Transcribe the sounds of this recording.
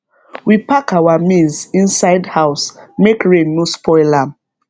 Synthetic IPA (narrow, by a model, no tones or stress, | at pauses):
wipakawamĩnzĩnsaɪdhaʊsmekɹẽnːospʰɔɪlam